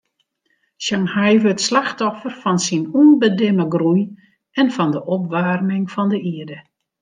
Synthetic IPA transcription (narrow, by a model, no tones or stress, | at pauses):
ʃaŋhɛjvəətslaxtɔfərfɔnsinunbədɪməɡruj | ɛnfɔndəʔɔpʋaːrmɪŋfɔndəʔiədə